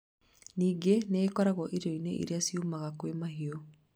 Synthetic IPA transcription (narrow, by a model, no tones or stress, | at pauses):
niːɡeneːkɔɾaɣɔʔiɾjoinḛʔḭɾeasiumaɣakwemaɦiɔ